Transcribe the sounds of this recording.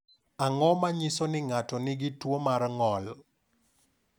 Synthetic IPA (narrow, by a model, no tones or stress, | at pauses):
aŋɔmaɲisɔnɪŋatɔnɪɡɪtwomaɾŋɔl